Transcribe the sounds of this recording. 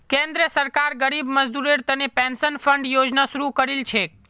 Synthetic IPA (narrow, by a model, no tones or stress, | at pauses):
kẽnd̪ɾəsəɾkaɾɡəɾibməd͡ʒd̪uɾeɽt̪ənepɛ̃nsənfəɳɖjod͡ʒnasuɾukəɾilt͡ʃʰe